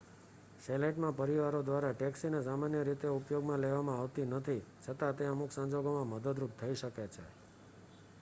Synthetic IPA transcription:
seleʈmãpəɾiʋaɾod̪ʋaɾaʈɛksinesamanjəɾit̪eupjoɡmãleʋamãaʋt̪inət̪ʰit͡ʃʰət̪at̪eəmuksə̃ɲd͡ʒoɡomãməd̪əd̪ɾup̚t̪ʰəiʃəket͡ʃʰḛ

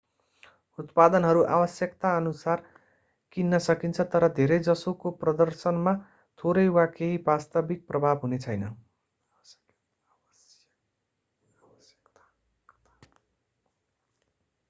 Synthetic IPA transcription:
ut̪̚pad̪ʌnɦʌɾuʔabʌsjʌkt̪aʌnusar | kinːʌsʌkint͡sʰʌt̪ʌɾʌd̪ʱeɾʌjd͡zʌsokoprʌd̪ʌrsʌnma | t̪ʰoɾʌjwakeɦibast̪ʌbik̚prʌbʱabɦunet͡sʰʌjnʌ

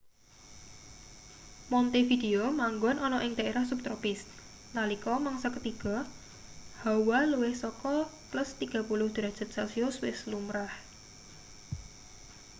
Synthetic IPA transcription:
mɔnt̪efid̪eomaŋɡɔnʔɔnɔʔɪŋd̪aeɾahsup̚t̪ɾɔpɪs | nalikɔmaŋsɔkət̪iɡ̥ɔ̤ | hawaluwɪhsɔkɔtlʊst̪iɡ̥a̤pulʊhd̪̥əɾḁd͡ʒ̥ə̤t̪̚sasioswɪslumɾah

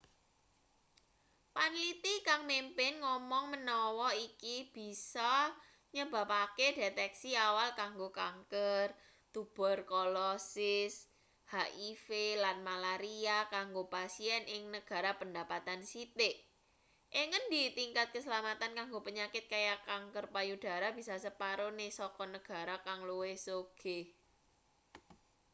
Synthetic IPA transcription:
panlit̪ikaŋmempɪnŋɔmɔŋmənɔwɔikib̥i̤sɔ | ɲəb̥a̤pakedet̪ɛksiawalkaŋɡokaŋkər | t̪ub̥ɔ̤rkɔlɔsɪs | haʔifelanmalaɾiakaŋɡopasiɛnʔɪŋnəɡ̥a̤ɾapənda̤pat̪ansit̪eʔ | ʔiŋənd̪it̪iŋkat̪̚kəsəlamat̪ankaŋɡopəɲakɪt̪̚kajakaŋkərpajud̥a̤ɾab̥i̤sasəpaɾonesɔkɔnəɡ̥a̤ɾakaŋluwesoɡ̥e

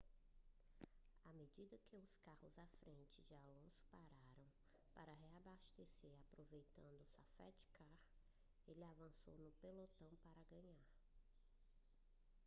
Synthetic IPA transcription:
amed͡ʒid̪ɐkɪʊskahʊzafɾẽnt͡ʃɪd͡ʒɪalõsʊ̥paɾaɾɐ̃w̃ | paɾɐɦeabaʃt̪eseɾapɾovejt̪ɐ̃nd̪ʊsafa̰t͡ʃɪ̥kʰaɾ | elɪavɐ̃so̰wnʊpelot̪ɐ̃w̃paɾɐɡɐ̃ɲaɾ

